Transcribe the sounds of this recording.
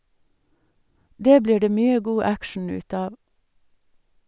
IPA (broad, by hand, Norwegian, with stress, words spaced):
ˈdeː ˈbliː ˈɖeː ˈmyːə ˈɡuː ˈækʃɳ̩ ˈʉːt ˈɑːʋ